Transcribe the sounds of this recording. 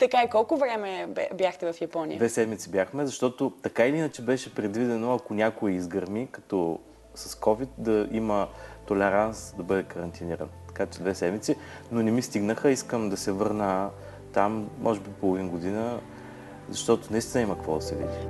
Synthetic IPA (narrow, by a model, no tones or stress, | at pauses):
t̪ɐkaikɔlˠkʊvɾɛmɛbjaxt̪ɛvɐfjɐpɔnḭj̰dvɛsɛd̪mit̪sibjaxmɛzɐʃt̪ɔt̪ot̪ɐkailinət͡ʃɛbɛʃɛpɾɛd̪vid̪ɛnoɐkʊnʲakʊɛizɡɐɾmikɐ̥t̪ɔ | sɐskɔvit̪̚d̪ɐimət̪olɛɾansd̪ɐbɤd̪ɛkɐɾɐnt̪iniɾə̰nt̪ɐ̥kat͡ʃɛd̪vɛsɛd̪mit̪si | nonɛmist̪iɡnəxəiskəmd̪ɐsɛvɤɾnə | t̪amːʔɔʒɛbipolˠovinɡod̪inə | zɐʃt̪ɔt̪ʊnɐist̪inəimɐkəkvɔ̰d̪ɐsɛvḭd̪i